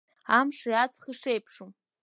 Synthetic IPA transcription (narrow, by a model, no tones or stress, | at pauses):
amʂiat͡sʰχiʂejpʰʂum